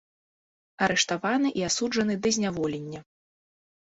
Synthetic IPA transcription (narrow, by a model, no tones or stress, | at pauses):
ɐɾɛʂt̪avanɨʔiasud͡ʐɐnɨd̪ɐzʲnʲavɔlʲenʲːɐ